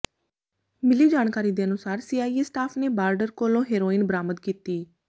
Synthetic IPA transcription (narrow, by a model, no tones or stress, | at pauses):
mɪliːd͡ʒaːɳkaːɾiːd̪eːənʊsaːɾsiːaːisʈaːpʰneːbaːɾɖəɾkoːlõːɦeːɾoːiːnbəɾaːməd̪kiːt̪iː